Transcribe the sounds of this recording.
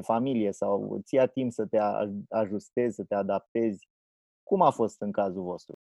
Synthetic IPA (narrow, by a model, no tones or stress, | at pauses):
familijesaw̰t̪sijat̪impsət̪e̞a̰aʒust̪e̞zʲsət̪e̞ad̪ap̚t̪e̞zʲ | kumafo̞st̪ɨŋkazuvo̞st̪ɾṵ